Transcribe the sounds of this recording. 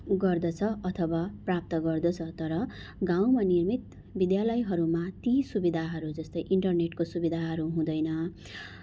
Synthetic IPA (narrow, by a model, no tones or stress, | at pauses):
ɡʌrd̪ʌt͡sʰʌʌt̪ʰʌwaprap̚t̪ʌɡʌrd̪ʌt͡sʰʌt̪ʌɾʌ | ɡaw̃manirmit̪ | bid̪jalʌjɦʌɾumat̪isubid̪ʱaɦʌɾud͡zʌst̪ʌjʔiɳʈʌrneʈkosubid̪ʱaɦʌɾuɦũd̪ʌjnʌ